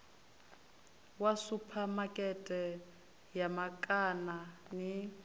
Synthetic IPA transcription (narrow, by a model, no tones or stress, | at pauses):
wasupʰamakʼɛtʼɛ | jamakʼanani